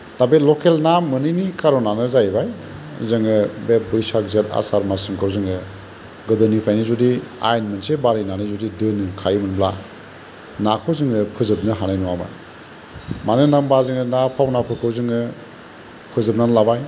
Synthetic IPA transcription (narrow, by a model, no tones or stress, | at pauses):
d̥abetlɔkʰelnamɯnɯjnikʰaɾɔnanɯzajbaj | zɯŋɯbebujsak̚zeta̰saɾmasɯmkʰɯwzɯŋɯ | ɡɯdɯnipʰajnizudia̰jnmɯnsebaɾinanɯjzudidɯnɯkʰajmɯnbla̰ | nakʰɯwzɯŋɯpʰɯzɯb̚nɯɦanajnuwama̰j | manɯnambazɯŋɯnapʰawnapʰɯkʰɯwzɯŋɯ | pʰɯzɯb̚nanlabaj